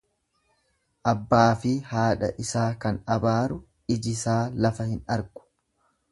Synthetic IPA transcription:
ʔɐbːaːfɪhaːᶑɐ̰ʔɪsaːkɐnɐbaːɾʊ | ɪd͡ʒɪsaːlɐfɐhɪnɐɾɡʊ̥

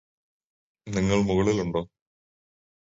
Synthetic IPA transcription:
niŋːɐɭmuɣɐɭiluɳɖoː

